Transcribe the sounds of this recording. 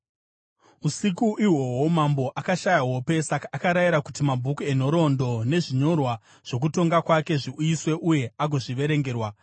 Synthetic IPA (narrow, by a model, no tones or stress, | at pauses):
usikuʔiwo̞wo̞mambo̞ʔakaʃajawo̞pe̞sakaːkaɾajiɾakutimabʱukue̞n̤o̞ɾo̞ndo̞ne̞ʐiɲo̞rwa | ʐ̥o̞k̬uto̞ŋɡakwake̞ʐiujiswe̞ʔuje̞aɡʱo̞ʐiʋe̞ɾe̞ŋɡe̞ːrwa